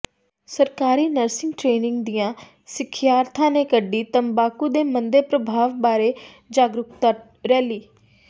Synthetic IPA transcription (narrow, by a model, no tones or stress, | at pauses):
səɾkaːɾiːnəɾsɪ̃ŋɡʈɾeːnɪŋɡd̪ɪjãː | sɪkʰɪjaːɾt̪ʰãːneːkəɖiːt̪əmbaːkuːd̪eːmə̃nd̪eːpɾəbʱaːʋbaːɾeː | d͡ʒaːɡɾʊkt̪a | ɾɛːliː